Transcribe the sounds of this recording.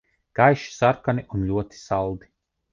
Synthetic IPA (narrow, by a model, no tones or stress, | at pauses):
ɡ̥ajʃi̥saɾkaniʔunʎʲuɔt̪i̥salˠd̪i̥